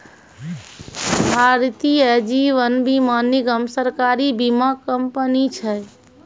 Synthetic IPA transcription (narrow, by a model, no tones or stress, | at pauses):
bʱaɾt̪ijəd͡ʒiʋənbiməniɡəmsəɾkaɾibimakəmpənit͡ʃʰɛ